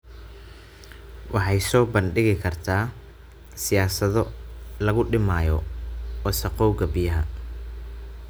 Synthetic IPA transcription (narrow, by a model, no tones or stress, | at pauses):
wʔɑħɑjsɔːbɐnɖɪɣɪkʰɐrt̪ʰaː | sɪjaːsɐðɔlɐɣʊɖɪmaːjɔɔsɐqɔwɡɐbɪjɐɦɐ